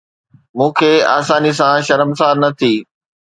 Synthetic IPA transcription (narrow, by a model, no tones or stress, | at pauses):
mũːkʰeːa̰ːsaːnis̬ãʃɐɾəmsaːnɐt̪ʰiː